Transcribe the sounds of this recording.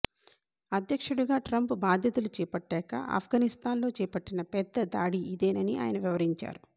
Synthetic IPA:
ɐd̪jɐkʂuɽuɡaːʈɾɐmpbaːd̪ʱjɐt̪ulut͡ʃɛːpɐʈːɛːkɐ̰ʔa̰ːpʰɡaːnist̪aːnlo̞ːt͡ʃɛːpɐʈːinɐpɛd̪ːɐd̪aːɽiid̪eːnɐniʔa̰ːjɐnɐʋiʋɐɾiɲt͡ʃa̰ːɾu

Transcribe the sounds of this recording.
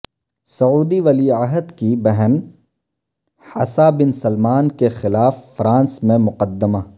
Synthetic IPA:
sɐuːd̪iʋɐliəɦəd̪kibɛɦn | hɐ̰sabɪnsɐlmaːnkexɪlaːfːɾãːnsmẽmʊqəd̪ːəma

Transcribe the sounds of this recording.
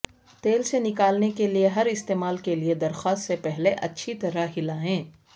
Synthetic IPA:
t̪eːlsenɪkaːlnekelieɦɐɾɪst̪eːmaːlkelied̪ɐɾxaːst̪sepɛɦleʔɐtːʃʰit̪ɐɾaɦɪlaɦɛ̃ː

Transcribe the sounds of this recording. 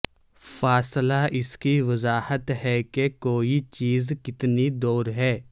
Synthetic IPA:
faːslaʔɪskiʋɐzaːhət̪ɦɛkekoːit͡ʃiːzkɪt̪nid̪oːɾɦɛː

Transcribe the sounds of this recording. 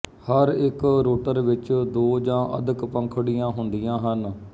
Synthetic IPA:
həɾɪkɾoːʈəɾʋɪt͡ʃd̪oːd͡ʒãːʔə̰d̪əkpə̃ŋkʰɽijãːɦʊnd̪ijãːɦən

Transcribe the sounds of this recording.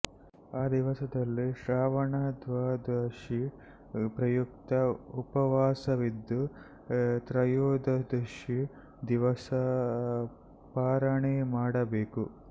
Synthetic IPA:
aːd̪iʋɐsɐd̪ɐlːiʃɾaːʋɐɳɐd̪ʋaːd̪ɐʂi | pɾɐjukt̪ɐupɐʋaːsɐʋid̪ːu | t̪ɾɐjoːd̪ɐd̪ɐʃi | d̪iʋɐsɐ | paːɾɐɳemaːɽɐbeːku

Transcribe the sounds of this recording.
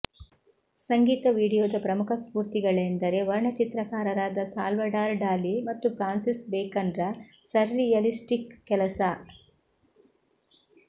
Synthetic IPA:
sɐŋɡiːt̪ɐʋiːɽijoːd̪ɐpɾɐmukʰɐspuːɾt̪iɡɐɭend̪ɐɾe̞ʋɐɾɳɐt͡ʃit̪ɾɐkaːɾɐɾaːd̪ɐsa̰ːlʋɐɖaːɾɖaːlimɐt̪ːupɾaːnsisbeːkɐnɖɾɐsɐɾːijɐlisʈikːɛlɐsɐ

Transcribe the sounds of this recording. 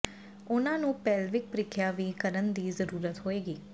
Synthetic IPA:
ʊnãːnũːpɛːlʋɪk̚pɾɪkʰjaːʋiːkəɾənd̪iːzəɾuːɾət̪ɦoːeːɡiː

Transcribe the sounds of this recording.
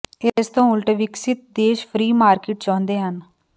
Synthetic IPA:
ɪst̪õːʊlʈəʋɪksɪt̪̚d̪eːʃpʰɾiːmaːɾkɪːʈt͡ʃãːnd̪eːɦən

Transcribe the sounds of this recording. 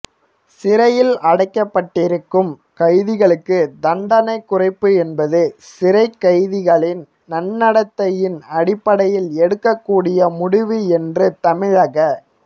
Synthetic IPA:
sɪɾɐjɪlɐɽɐɪkːɐpːɐʈːɪɾɯkːɯm | kɐɪðɪɣɐɭɯkːɯd̪ɐɳɖɐnɐɪkːʊrɐɪpːɯɛnbɐðɯsɪɾɐɪkːɐɪðɪɣɐɭɪn | nɐnːɐɽɐt̪ːɐjɪnɐɽɪpːɐɽɐjɪlɛɽɯkːɐkːuːɽɪjɐmʊɽɪʋiɛndrɯt̪ɐmɪɻaːɣɐ

